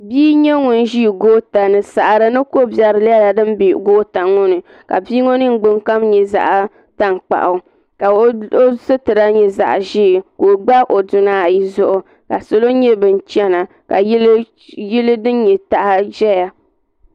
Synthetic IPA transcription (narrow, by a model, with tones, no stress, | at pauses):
biː˦ɲɛ˦ŋu˨n˦ʒi˦˨ɡoː˦ta˨nɨ˨sa˨ʔɾɨ˨nɨ˦ko˦bjɛ˨ɾɨ˨la˦la˨dɨ˦m˦bi˨ɡoː˦ta˨ŋʊ˦nɨ˨ | ka̰˨biː˦ŋo˦nɨ˦ŋ̩˦ɡ͡bɨ˦ŋka˦mɲɛ˨za̰˨ʔ | ta˦ŋk͡pa̰˨ʔa˨ | ka˨˦o˦sɨ˦tɨ˨ɾa˦ɲɛ˦za̰˨ʔʒi˦˨ko˨ɡ͡ba˦ʔo˨dʊ˨naː˦˨ji˦zʊ˦ʔʊ˨ | ka˨so˨lo˦ɲɛ˦bɨ˨n˨t͡ʃɛ˦na˨ | ka˨˦ | ji˦lɨ˦dɨ˦n˦ɲɛ˨ta˨ʔa˦ʒɛ˦ja˨